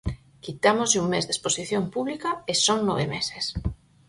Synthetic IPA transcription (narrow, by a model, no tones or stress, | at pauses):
kit̪amozʎuŋmezd̪esposiθjompuβlikaesoŋnoβemeses